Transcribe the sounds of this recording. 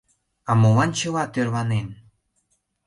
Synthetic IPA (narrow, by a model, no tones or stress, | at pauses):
ɑmolɑnt͡ɕə̆βɑt̪ørβɑnen